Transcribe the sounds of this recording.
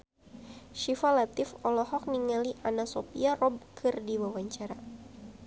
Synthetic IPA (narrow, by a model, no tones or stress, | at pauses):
ʃifalat̪ɪfɔlɔhɔk̚niŋaliʔanasopiarɔb̚kʰɨrdiwawaɲt͡ʃaɾa